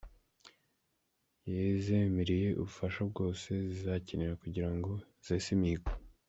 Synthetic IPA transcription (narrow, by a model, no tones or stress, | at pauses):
jezemiɾije̞ʔṵβufaʃabɡo̞ːse̞zizaceneɾakuɟiɾaŋɡo̞ | z̥esimiiko